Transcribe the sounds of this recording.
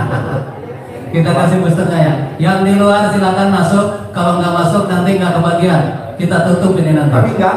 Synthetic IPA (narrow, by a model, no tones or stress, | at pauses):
kit̪akas̬ɪhbust̪ut̪̚ɲajajaŋdiluarsilakanmasʊkːaloŋɡaʔmasʊk̚nant̪iŋɡaʔkəbaɡiankit̪at̪unt̪ʊmpininant̪aia